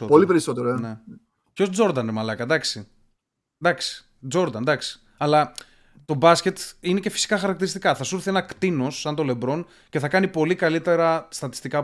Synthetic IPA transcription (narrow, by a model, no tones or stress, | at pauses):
polipeɾiso̞t̪eɾoene | co̞sd͡zo̞ɾd̪ɐnemɐlɐkɐd̪ɐksi | d̪ɐksi̥ | d͡zo̞ɾd̪ɐnd̪ɐksi̥ | ɐlɐ | t̪o̞bɐsce̞t̪inece̞fi̥si̥kɐxɐɾɐkt̪iɾist̪ikɐθɐsuɾθienɐkt̪ino̞sːɐnt̪o̞le̞bɾo̞n | ceθɐkɐnipo̞likɐlit̪e̞ɾɐst̪ɐt̪i̥st̪ikɐ